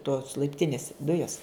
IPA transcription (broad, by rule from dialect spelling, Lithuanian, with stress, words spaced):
toːs lˠɐɪpʲˈtʲɪnʲɪs ˈdʊjɛs